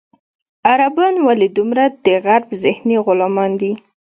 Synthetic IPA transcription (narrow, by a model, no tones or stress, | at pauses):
aɾabɑnwalid̪umɾad̪əɣaɾbzɪhniɣʊlɑmɑnd̪i